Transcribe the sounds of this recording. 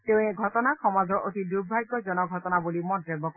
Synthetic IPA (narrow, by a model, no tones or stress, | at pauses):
tew̃eɡʱɔtɔnaxɔmazɔɹʔot̪idubʱajɡɔzɔnɔɡʱɔtɔnabulimɔdɹebɔk